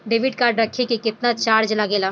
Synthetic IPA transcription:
ɖeːʋɪɖkaːɾɖɾɐkʰːekikɪt̪nat͡ʃaːɾd͡ʒlɐɡeːlaː

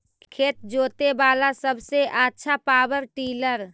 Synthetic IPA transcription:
kʰeːt̪̚d͡ʒoːt̪ebaːlasəbʱseʔatːʃʰapaːwəɾʈiːləɾ

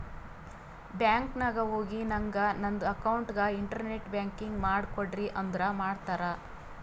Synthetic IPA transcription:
bjaːŋknɐɡɐɦoːɡinɐŋɡɐnɐnd̪uɐkɐwɳʈɡɐiɳʈɐɾneʈbjaːŋkiŋɡmaːɽkoɖɾiʔɐnd̪ɾɐmaːɖt̪aːɾɐ

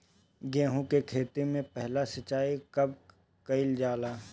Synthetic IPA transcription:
ɡɛ̃ːɦũkekʰeːt̪imẽpɛɦlasɐt͡ʃːaːikɐb̚ | kɐɪld͡ʒaːlaː

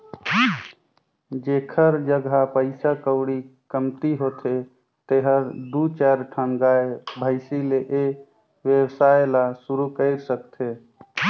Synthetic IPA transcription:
d͡ʒekʰəɾd͡ʒəɡʱapəɪsakəʊɽikəmt̪iɦot̪ʰe | t̪eɦəɾd̪ut͡ʃɛɾʈʰənɡaebʱəɪsileʔe | ʋjewsajelasuɾukəɪɾsəkt̪ʰe

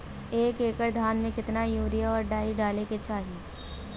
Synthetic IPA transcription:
eːkeːkəɾd̪ʱaːnmẽkɪt̪najuːɾijaɔːɾɖaːiɖaːleket͡ʃaːɦieː

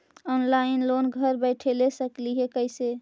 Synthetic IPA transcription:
ɔnlainlonɡʱəɾbəɪʈʰelesəkliɦekəɪse

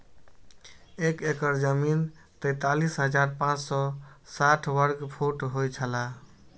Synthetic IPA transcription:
ekekəɾd͡ʒəmin | t̪əjt̪alisɦəd͡ʒaɾpãt͡ʃsɔ | saʈʰʋəɾɡpʰoʈɦojt͡ʃʰəla

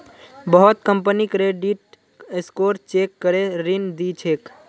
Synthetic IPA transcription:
bəɦot̪kəmpənikɾeɖiʈ | eskoɾt͡ʃekːəɾeɾind̪it͡ʃʰek

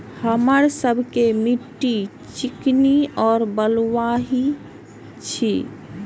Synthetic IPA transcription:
həməɾsəbʱkemiʈːi | t͡ʃikniɔːɾbəlʋaɦi | t͡ʃʰḭ

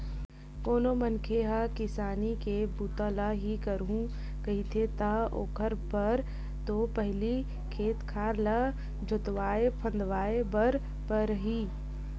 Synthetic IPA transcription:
koːnomɐnkʰeɦakɪsaːnikebuːt̪alaɦikəɾɦũ | kɐɦit̪ʰet̪ao̰ːkʰəɾbɐɾ | t̪opəɦli | kʰeːt̪kʰaːɾla | d͡ʒʊt̪ʋaːepʰə̃nd̪ʋaːebəɾ | pɐɾɦiː

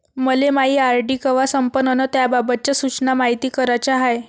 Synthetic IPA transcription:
məlemaɦiːaɾɖiːkəʋasəmpənənət̪jababət̪̚t͡ɕasut͡ɕnamaɦit̪iːkəɾat͡ɕaɦaj

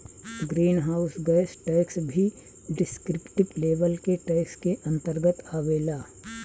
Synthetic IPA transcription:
ɡɾiːnɦaːʊsɡɛjsʈɛːksbʱi | ɖɪskɾɪpʈɪbleːʋəlkeʈɛːɪkskeʔɐ̃nt̪əɾɡət̪aːʋeːlaː

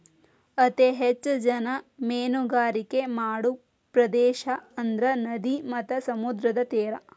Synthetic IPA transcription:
ɐt̪eɦet͡ʃːd͡ʒɐnɐmeːnuɡaːɾikemaːɽu | pɾɐd̪eːʃɐɐnd̪ɾɐnɐd̪imɐt̪ːɐsɐmud̪ɾɐd̪ɐt̪eːɾɐ

